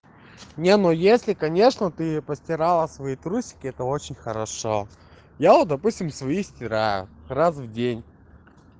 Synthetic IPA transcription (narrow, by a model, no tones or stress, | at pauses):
nʲenojesʲlʲɪkɐnʲe̞ʂnət̪ɨpəsʲtʲɪɾalˠəsvɐit̪ɾusʲɪ̥kʲɪɛt̪əot͡ɕɪnʲxəɾɐʂo | jaod̪ɐpusʲtʲɪmsvɐisʲtʲɪɾajʊ̰rasvdʲenʲ